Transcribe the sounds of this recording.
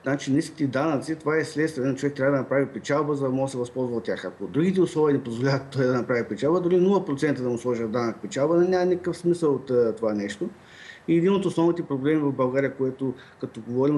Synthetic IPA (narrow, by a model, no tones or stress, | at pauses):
nat͡ʃiniski̥t̪ɛd̪anət̪sit̪ovaɛslɛt̪st̪vʲɛnɛnɐt͡ʃovɛkt̪ɾʲabvəd̪ɐnɐpɾavipɛt͡ʃalˠbəzəd̪ɐmɔsɛvɐspɔlˠzvɐot̪ːʲaxɐkod̪ɾuɡ̟it̪̬ɛʊslˠɔviənɛpozvolʲavɐt̪ːɔjd̪ɐnɐpɾavipɛt͡ʃalˠbəd̪ʊɾinulˠəpɾot̪sɛnt̪əd̪ɐmʊslˠɔʒiəd̪anəkpɛt͡ʃalˠbənɛnʲamɐnikəkəfsmisəlˠot̪t̪ːovanɛʃt̪o | iɛd̪inot̪osnɔvnit̪ɛpɾoblɛmivɐvbɐlˠɡaɾijəkoɛt̪o | kɐt̪ɔɡovɔɾim